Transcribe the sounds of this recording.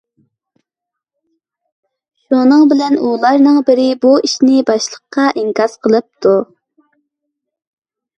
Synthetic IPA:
ʃunɨŋbɪlɛnulˠɑɾnɨŋbɪɾɪbuiʃnɪbɑʃlˠəqːɑʔiŋkɑzqʰəlˠɨp̚t̪ʰu

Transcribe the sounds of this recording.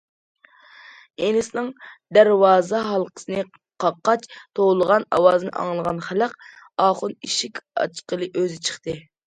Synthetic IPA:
enɪsnɨŋd̪æɾwɑːzɑɦɑlˠqʰə̥sɨnɨ | qʰɑqːɑt͡ʃt̪ʰolˠəʁɑnɑ̰wɑːzɨnɨ̰ʔɑ̰ŋlˠəʁɑnχælæq | ɑːχʊniʃikʲɑ̰t͡ʃqəlˠɨʔøzɪt͡ʃʰə̥χt̪ɨ

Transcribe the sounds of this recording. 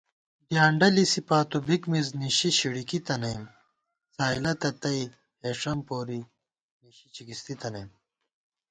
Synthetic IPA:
djaːɳɖɐlisipaːt̪ubikmizniɕiɕiɽikit̪ɐnɐjm | saːilɐt̪ɐt̪ɐi | heːʂɐmpoːɾi | niɕit͡ɕikist̪it̪ɐnɐjm

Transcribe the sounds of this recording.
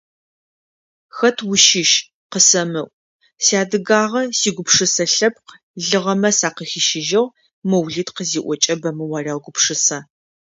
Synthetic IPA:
xɐtʰwʊʃɪʃ | qəsɐmɨʔʷ | siaːdɨɡaːʁɐsiːɡʷʊpʂɨsɐɬɐp̚q | ɮɨʁɐmɐsaːqəxiʃɪʒɐʁ | mɨwɮiːtqəziːʔʷɔt͡ʃʼɐbɐmɨwaːrʲaːwɡʷʊpʂɨsɐ

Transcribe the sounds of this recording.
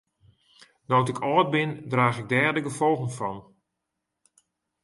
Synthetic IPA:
nɔːtɪkʰɔːt̚bɪndraːxɪɡ̚dɛːrdəɡəfɔlˠɣənfɔn

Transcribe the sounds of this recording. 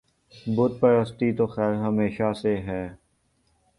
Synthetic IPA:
bʊt̪̚pəɾəst̪it̪oxɛːɾɦəmeːʃaseɦɛː

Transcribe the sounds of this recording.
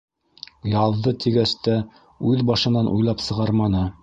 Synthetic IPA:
jɑðːɤt̪iɡæst̪æ | ʉðbɑʃɤ̆nɑnʔṵjlˠɑpsɤ̆ʁɑɾmɑnɤ

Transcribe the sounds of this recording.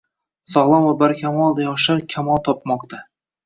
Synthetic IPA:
sɒlˠɒmvabaɾkʲʰamɒlˠd̪ajɒʃaɾkʲʰamɒlˠt̪ʰɒpmɒqt̪ʰa

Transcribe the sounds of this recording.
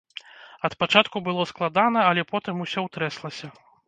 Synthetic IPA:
ɐt̪pat͡ʂat̪kubɨlˠɔsklˠad̪anɐɐlʲɛpɔt̪ɨmusʲɔwt̪ɾɛslˠɐsʲɐ

